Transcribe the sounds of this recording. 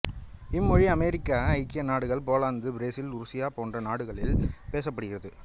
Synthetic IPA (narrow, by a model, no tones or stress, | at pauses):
ɪmːɔɻiɐmɛɾɪkːaːɐɪkːɪjɐnaːɽɯɣɐɭpoːlaːnd̪ɯbɾeːsɪlʊɾʊsɪjaːpoːndrɐnaːɽɯɣɐɭɪlpeːs̬ɐpːɐɽɯɣɪrɐðɯ